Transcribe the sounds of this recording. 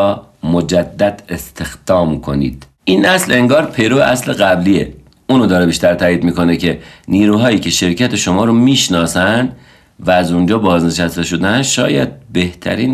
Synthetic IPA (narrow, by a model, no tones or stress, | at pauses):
mod͡ʒæd̪ːæd̪est̪ʰe̞xd̪̥ɒːmkʰo̞nḭːd̪̥ | iːnʔæsle̞ŋɡɒːɾpʰe̞jɾobeʔæsleɣæbliːḛ | uːnod̪ɒːɾebiːʃt̪æɾt̪ʰæːiːd̪miːko̞ne̞cʰe̞niːɾuːɦɒːjiːcʰe̞ʃe̞ɾcʰæt̪ʰeʃo̞mɒːɾomiːʃnɒːsænd̪ | væːzund͡ʒɒːbɒːzneʃæst̪e̞ʃo̞d̪eænʃɒ̰ːjæ̰d̪̚be̞ht̪ʰæ̰ɾiːn